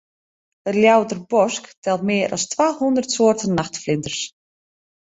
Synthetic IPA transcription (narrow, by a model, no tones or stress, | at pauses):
ətljawtərbɔsktʰɛlˠtmɪːəɾʔɔ̰stʋaːhundərtsoːrtənːaxtflɪntərs